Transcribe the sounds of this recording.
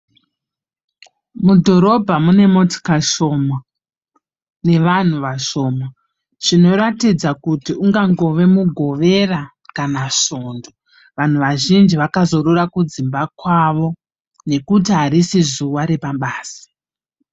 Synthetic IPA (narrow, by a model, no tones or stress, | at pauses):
mudʱo̞ɾo̞bʱamune̞moti̥kaʃo̞ma | ne̞ʋan̤uʋaʃo̞ːma | ʐ̥ino̞ɾatid͡zakutiuŋɡaŋɡo̞ʋe̞muɡʱo̞ʋe̞ra | kanaʃo̞ːndo | ʋan̤uʋaʒind͡ʒiʋakazo̞rurakud͡zimbakwaʋo̞ | ne̞kutiɦaɾisizuwaɾepaɓaːsi̥